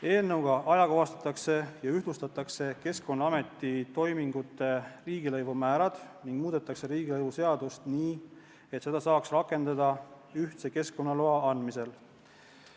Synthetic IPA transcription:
e̞ːlnɤwɡ̥ɑʔɑjɑkoɑst̪ɑ̥t̪ːˑɑkse̞jɑyhd̪lust̪ɑt̪ːˑɑkse̞ke̞sko̞nːɑɑme̞t̪ːˑit̪o̞jmiŋɡut̪ːˑe̞riːɡ̥ilɤjvumæːɾɑd̪̥niŋɡ̥muːd̪̥e̞t̪ːˑɑkse̞ɾiːɡilɤjvuse̞ɑd̪̥ust̪niː | e̞t̪se̞d̪̥ɑsɑːksrɑkːˑe̞nd̪ɑd̪̥ɑ | yht̪seke̞sko̞nːɑloɑɑnd̪̥mise̞l

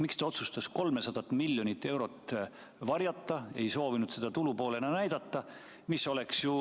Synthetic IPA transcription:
mikst̪ɑo̞t̪sust̪ɑsko̞lme̞sɑd̪̥ɑt̪ːˑmilːjo̞nʲit̪ːe̞wɾo̞t̪ːˑ | vɑrjɑt̪ˑːɑe̞jso̞ːvinud̪̥se̞d̪̥ɑt̪ulupo̞ːlenɑnæjd̪̥ɑt̪ːɑ | miso̞le̞ksju

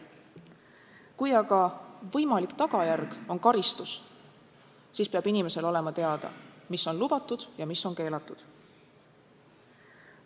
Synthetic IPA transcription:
kujɑɡɑvɤ̞jmɑlikt̪ɑɡ̥ɑjærɡ̥o̞nkɑɾist̪us | siːspeɑb̥inime̞se̞lo̞le̞mɑt̪e̞ɑd̪̥ɑ̰misːo̞nlub̥ɑt̪ːˑud̪̥jɑmisːo̞nke̞ːlɑt̪ːˑud̪̥

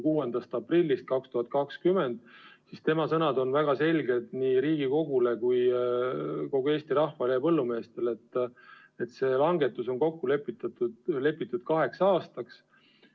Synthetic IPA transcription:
kuːend̪̥ɑst̪ɑprilʲːist̪̚kɑkst̪uhɑt̪̚ˑkɑkskyme̞nd̪̥sist̪e̞mɑsɤnɑd̪o̞nvæɡ̥ɑse̞lʲɡe̞d̪niːɾiːɡiko̞ɡule̞kuj | ko̞ɡ̥ue̞ːst̪iɾɑhvɑlejɑpɤlːume̞ːst̪e̞le̞t̪ːˑ | e̞t̪se̞ːlɑŋɡe̞t̪ːˑuso̞ŋko̞kːule̞pːit̪ːˑɑt̪ule̞pːˑit̪ːˑud̪̥kɑɦe̞ksɑːst̪ɑks

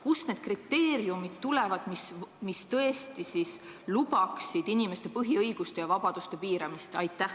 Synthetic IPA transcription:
kusne̞d̪̥krit̪ːe̞ːɾjumit̪t̪ːule̞vɑd̪̥mismist̪ɤe̞st̪isis | lub̥ɑksid̪̥inime̞st̪e̞pɤɦiɤjɡ̥ust̪e̞jɑvɑb̥ɑd̪̥ust̪e̞piːɾɑmist̪ɑ̰jt̪ːˑæh

